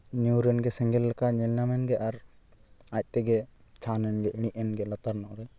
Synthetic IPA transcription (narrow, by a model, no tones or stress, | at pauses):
ɲuɾɛnɡɛsɛŋɡɛlːakaʔɲɛlnamɛnɡɛʔaɾ | ac̚ˀt̪ɛɡɛt͡ʃʰanɛnɡɛʔiɽ̃iʔɛnɡɛlat̪aɾnɔʔɾɛ